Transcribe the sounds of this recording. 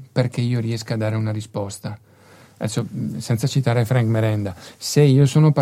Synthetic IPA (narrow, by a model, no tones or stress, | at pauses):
perkeiːoɾiɛskad̪ːaːɾeunaɾispɔst̪a | ɛ̰sːosɛnt̪sat͡ʃit̪aːɾefɾaŋkmeɾɛnd̪aseiːosoːnopa